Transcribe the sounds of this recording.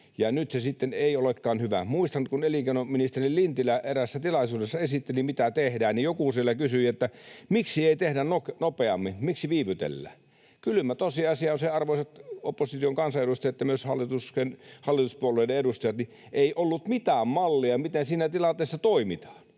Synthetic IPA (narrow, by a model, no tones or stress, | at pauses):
jɑnyt̪sesit̪ːeneiolekːɑːnhyʋæ̰muist̪ɑnt̪kunelikenominist̪erillint̪ilæʔeræsːæt̪ilɑsuːdesːɑesit̪ːelimit̪æt̪ehdæːnnijokusielːækysyet̪ːæmiksieit̪ehdænnoknopeɑ̰mːinmiksiʋiːʋyt̪ḛlːæ̰ː | kylymæt̪osiɑsiɑˑonseɑrʋoisɑt̪opːosit̪ioŋkɑnsɑeɾust̪ɑjɑt̪ːjɑmyøshɑlːˑit̪uskenhɑlːit̪uspuolːˑeˑideedust̪ɑjɑt̪ni | ʔeiʔolːut̪mit̪æːmmɑlːiɑmit̪ensiːnæt̪ilɑnt̪ˑeˑːsːɑt̪oimit̪ɑ̥ːn